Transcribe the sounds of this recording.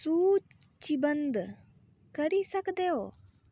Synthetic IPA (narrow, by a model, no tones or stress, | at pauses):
suː | t͡ʃibənd̪ | kəɾisəkd̪eo